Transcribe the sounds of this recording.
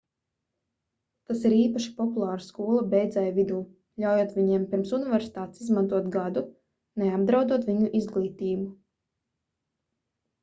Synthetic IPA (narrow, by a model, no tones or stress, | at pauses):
t̪asiɾiːpaʃi̥pɔpulˠaːɾskuɔlˠabʲɛjd̪zɛjvid̪uː | ʎʲawjoɔt̪vʲiɲiɛmpʲiɾmsunivʲɛɾsi̥t̪aːt̪sizmant̪uɔt̪ɡad̪u | neabd̪ɾawd̪uɔt̪vʲiɲuʔizɡlˠiːt̪iːbu